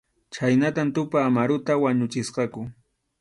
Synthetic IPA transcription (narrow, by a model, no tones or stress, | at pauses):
t͡ʃajnat̪amt̪ʊpaːmaɾʊt̪awaɲʊt͡ʃɪsqɑkʊ